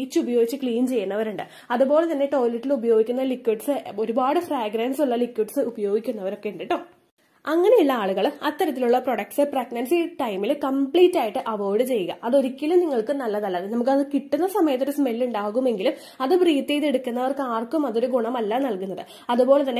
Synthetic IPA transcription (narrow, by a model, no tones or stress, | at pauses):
iːt͡ɕːɨubɐjo̞ːɡit͡ɕːɨkɭiːnt͡ɕe̞jːunːɐʋɐɾuɳɖɨ | ɐðubo̞ːɭe̞t̪ɐnːe̞ʈo̞ːlɐʈːilubɐjo̞ːɡikʲːunːɐlikːwiʈsɨo̞ɾubaːɽɨfreːɡɾaːnsuɭːɐlikːwiʈsɨubɐjo̞ːɡikʲːunːɐʋɐɾo̞kːe̞uɳɖiʈːoː | ɐŋːɐneiɭːɐaːɭuɣɐɭɐt̪ːɐɾɐt̪ːiluɭːɐproɽɐk̚ʈsɨprɐɡnɐnsiʈɐjmilkɐmpɭiːtːaːjiʈːɨʔɐʋoːɽɨt͡ɕe̞jːuɣɐ̰ʔɐðo̞ɾikʲːɐlumniŋːɐɭkɨnɐlːɐðɐlːɐðɨnɐmuk̬ːɐðɨkiʈːunːɐsɐmɐjɐt̪ːoɾusme̞lːuɳɖaːɣume̞ŋɡilum | ɐðɨbriːt̪ːejðe̞ɽukːunːɐʋɐrkɨaːrkːumɐðo̞ɾuɡuɳɐmɐlːaːnɐlkunːɐðɨ | ɐðubo̞ːɭe̞t̪ɐnːe